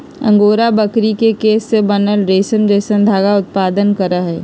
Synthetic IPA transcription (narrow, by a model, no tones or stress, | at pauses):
ə̰̃ŋɡoːɾabəkɾikekeːsːebənəlɾeːsəmɾeːsə̃nd̪ʱaːɡaʊt̪̚paːd̪ənkəɾəɦɛː